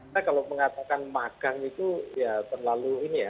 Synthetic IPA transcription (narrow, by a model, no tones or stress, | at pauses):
akaloməŋat̪akanmaɡ̥aŋit̪ujat̪ərlaluinija